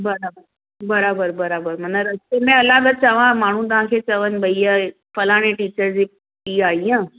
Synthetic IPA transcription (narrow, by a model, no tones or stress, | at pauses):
bəɾabəɾ | bəɾabəɾbəɾabəɾm̤əɳnəɾəst̪emẽəlãɡ̪ət͡ɕəʋãmaɽ̤ũːd̪əʋãkʰet͡səʋənbəijə | fəlaɽ̃ẽʈiːt͡ɕəɾd͡zi | iːaiã